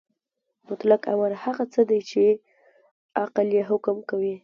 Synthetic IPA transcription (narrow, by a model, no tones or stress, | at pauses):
mʊt̪laka̰walhaɣat͡səd̪ajt͡ʃe | aqaljeɦʊkmkawi